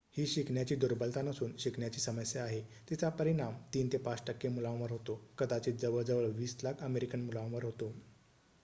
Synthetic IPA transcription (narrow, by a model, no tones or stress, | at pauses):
hiːɕikɳjat͡ɕiːd̪uɾbəlt̪anəsuːnɕikɳjat͡ɕiːsəməsjəaɦet̪it͡sapəɾiɽ̃amt̪iːnt̪epat͡sʈəkːemulãʋəɾɦot̪okəd̪at͡ɕiːd͡zəʋəɭd͡zəʋəɭʋiːslakʰəmeɾikənmulãʋəɾɦot̪o